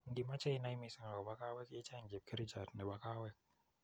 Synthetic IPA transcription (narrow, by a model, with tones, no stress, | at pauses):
n˦di˨ma˦t͡ʃa˦i˦na˦jmi˨sɛ˨ŋa˨kba˦ka˦wɛ˦kje˦t͡ʃa˦˨ŋd͡ʒe˨p̚ke˦ɾi˦t͡ʃa˨tnɛ˨ba˦ka˦wɛ˦k̚